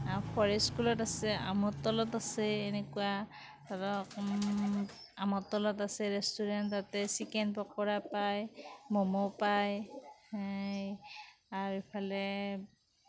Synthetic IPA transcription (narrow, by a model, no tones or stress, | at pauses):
apʰɔɹɛskulɔtasɛa̰mɔtːɔlɔtasɛːnekua | tatɔk | amɔtːɔlɔtasɛɹɛstuɹanttatɛsikɛnpɔk̚ːɔɹapajmɔmɔpaj | aɹepʰalɛ